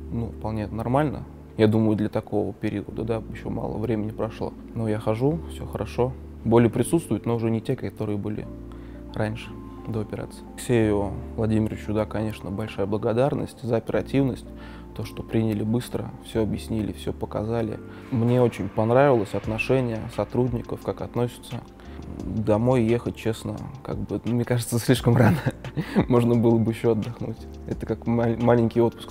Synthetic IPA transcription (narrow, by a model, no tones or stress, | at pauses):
nufpɐlˠnʲe̞nɐrmalʲnə̰ | jad̪uməjʊd̪lʲət̪ɐko̞vəpʲɪɾʲiʊəd̪əd̪ajɪɕːo̞̰ma̰lˠə̰vɾʲemʲɪnʲɪpɾɐʂlˠo̞̰ | no̞jaxɐʐufsʲoxəɾɐʂo̞ | bo̞lʲɪjəpɾʲɪt̪sut̪st̪vʊjʊt̪noʊʐɛnʲɪtʲekkɐt̪o̞ɾɨjəbɨlʲɪ̰ | ranʲʂɨ̥ | d̪oɐpʲɪɾa̰t̪sɨ̥jfsʲeɪjʊvlˠɐdʲimʲɪɾəvʲɪt͡ɕʊd̪akɐnʲe̞ʂnəbɐlʲʂajəblˠəɡɐd̪arnə̰sʲtʲzəɐpʲɪɾɐtʲivnəsʲtʲ | t̪o̞ʂt̪o̞pɾʲinʲɪlʲɪbɨst̪ɾə̰fsʲɵɐbjɪsʲnʲilʲɪ̰fsʲopəkɐ̰zalʲɪ̰ | mnʲe̞o̞t͡ɕɪnʲpɐnɾavʲɪlˠəsʲɐt̪nɐʂɛnʲɪjəsɐt̪ɾudʲnʲɪkəfkakɐt̪no̞sʲɪ̥t̪sə | d̪ɐmo̞jjexət̚ʲt͡ɕe̞snə̰ka̰ɡ̚bɨmnʲekaʐɨt̪səsʲlʲiʂkəmranəmo̞ʐnəbɨlˠəbɨjɪɕːoɐd̪ːɐxnutʲ | ɛt̪ə̥kakmalʲɪnʲkʲɪjo̞t̪̚pʊ̥sk